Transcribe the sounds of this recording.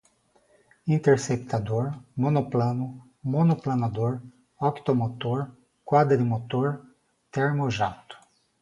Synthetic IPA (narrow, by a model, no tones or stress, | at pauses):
ĩnt̪eɾsekt̪ʰad̪oɾmõnoplɐ̃nʊ | mõnoplɐnad̪oɾ | ɔkt̪omot̪oɾ | kwad̪ɾɪmot̪oɾ | t̪eɾmoʒawt̪ʊ̥